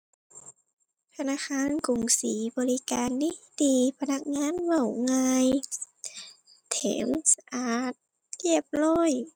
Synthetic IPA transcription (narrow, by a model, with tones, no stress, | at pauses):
t̪ʰa˧naː˧˨xaː˧˥˨nku˨˩ŋsiː˨˩˦bɔː˨˧li˦˧kaː˨nːi˧˥˩d̪iː˨˩pʰa˧na˧˩k̚ŋaː˧˥˨nwa˧˩wŋaː˧j | t̪ʰḛː˨˩˦msa˧ʔaː˨˩t̪̚ | ki˧˩əp̚lɔː˧˩j